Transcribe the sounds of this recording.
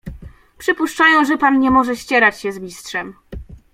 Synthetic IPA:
pʂɘpuʂt͡ʂajɔ̃w̃ʐɛpanɲɛmɔʐɛɕt͡ɕɛɾat͡ɕɕɛzmʲistʂɛm

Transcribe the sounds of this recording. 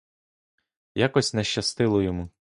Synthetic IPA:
jakɔsʲnɛʃt͡ʃɐst̪ɪlˠɔjɔmu

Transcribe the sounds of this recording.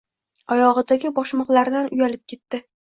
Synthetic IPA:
ɒjɒʁɨd̪aɡʲɪbɒʃmɒqlaɾd̪anʊjalɪp̚kʲʰe̞t̪ːɪ

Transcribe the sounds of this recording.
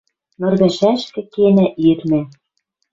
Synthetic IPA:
mɤ̆rɣɘ̆ʃæʃkɘ̆kenæʔirnæ̆

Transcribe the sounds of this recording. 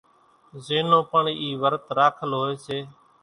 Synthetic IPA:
zeːnõːpəɳiːiːʋəɾt̪ɾaːkʰəlɦoːeːseː

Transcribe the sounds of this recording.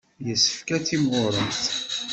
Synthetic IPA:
jəsːə̥fkæt͡sːimʊɾˤənθ

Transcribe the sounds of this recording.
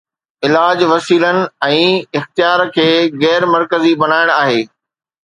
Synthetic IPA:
ɪlaːd͡ʑʋɐsiːlənɪ̆ɛ̃ːɪxt̪ijaːɾkʰeːɣɛːɾmɐɾkəzibɐnaːɪɽ̃aːɦeː

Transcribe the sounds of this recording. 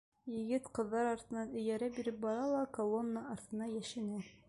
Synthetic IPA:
jɘ̆ɡɘt̪qɤ̆ðːɑɾɑɾt̪ɤ̆nɑnɵ̆jæɾæbiɾɘp̚bɒɾɑlˠɑkolˠonːəʔɒɾt̪ɤ̆nɑjæʃɘ̆næ

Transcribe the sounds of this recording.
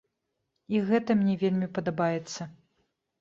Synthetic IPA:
iɣɛt̪ɐmnʲɛvʲelʲmʲipɐd̪abajɛt̪sːɐ

